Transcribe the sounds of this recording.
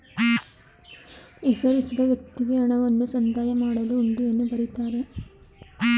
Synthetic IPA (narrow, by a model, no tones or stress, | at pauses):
ɛsɐɾisid̪ɐʋjɐkt̪ːiɡe̞ɐɳɐʋɐnːusɐnd̪aːjɐmaːɽɐluːɳɖuenːubɐɾit̪aːɾe̞